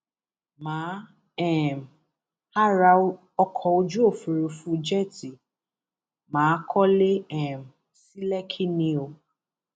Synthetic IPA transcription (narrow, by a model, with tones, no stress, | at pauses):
mãː˨˦ | ɛ˦˨m˨ | ha˦ɾa˧ | ɔ˧kʰɔ˧o˧d͡ʒu˦o˦˨fu˨ɾu˧fũ˦d͡ʒɛ˦˨ti˨ | mãː˨˦kʰɔ˦le˦ɛ˦˨m̩˨ | si˦lɛ˦kʰi˦nĩ˧o˧